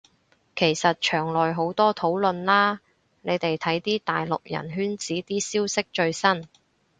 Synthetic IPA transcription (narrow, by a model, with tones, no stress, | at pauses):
kʰe˨˩jsɐ˨t̚t͡ʃʰœː˨˩ŋlɔː˨jɦo˨˥wt̪ɔː˥t̪ʰo˨˥wlɵ˨nlaː˥ | ne˨˧jt̪e˨jt̪ʰɐ˨˥jt̪iː˥t̪aː˨jlʊ˨k̚jɐ̰˨˩nɦyː˥nt͡siː˨˥t̪iː˥siː˥wsɪ˥k̚t͡ʃɵ˧ɥsɐ˥n